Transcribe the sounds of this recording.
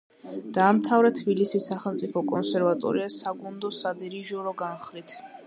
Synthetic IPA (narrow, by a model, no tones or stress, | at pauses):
d̪̥aːmt̪ʰavɾɛt̪ʰbilisisaχɛlˠmt̪sʼipʰɔkʼɔnsɛɾvat̪ʼɔ̰ɾiasaɡund̪ɔsad̪iɾiʒɔɾɔɡanχɾit̪ʰ